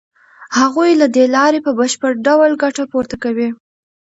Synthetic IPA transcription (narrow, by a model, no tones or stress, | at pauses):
haɣujlad̪elɑɾepəbəʃpəɽɖawlɡaʈapoɾt̪akawi